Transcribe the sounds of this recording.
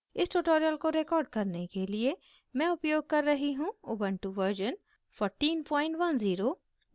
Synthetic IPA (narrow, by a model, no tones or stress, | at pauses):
ɪsʈuʈoːɾijəlkoɾekɔːɾɖ̚kɐɾnekelie | mɛ̃ʊpjoːɡ̚kɐɾːɐɦiɦũʊbə̃ɳʈuʋəɾd͡ʒən | pʰɔːɾʈiːnpɔːɪ̃ɳʈʋɐnziːɾoː